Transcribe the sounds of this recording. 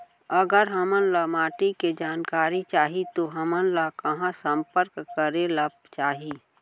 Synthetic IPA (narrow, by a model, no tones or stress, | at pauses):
əɡəɾɦɐmənlamaːʈiked͡ʒaːnkaːɾit͡ʃaːɦit̪oɦɐmənlakɐɦãsə̃mpəɾkːəɾelabt͡ʃaːɦi